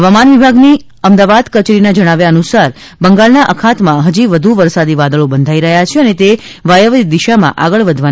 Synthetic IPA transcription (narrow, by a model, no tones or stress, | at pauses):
ɦəʋamanʋibʱaɡni | əmd̪aʋad̪kət͡ʃɾinad͡ʒəɽ̃aʋjaənusaɾ | bəŋɡalnaʔəkʰat̪mãɦəd͡ʒiʋəd̪ʱuʋəɾsad̪iʋad̪əɭobənd̪ʱaiɾəɦjat͡ʃʰeənet̪e | ʋajəʋid̪iʃamã̰ʔaɡəɭʋəd̪ʱʋa